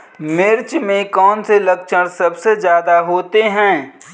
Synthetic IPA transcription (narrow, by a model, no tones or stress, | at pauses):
mɪɾt͡ʃmẽkɔːnselɐkʃəɽsɐbsezjaːd̪aɦoːt̪eɦɛ̃ː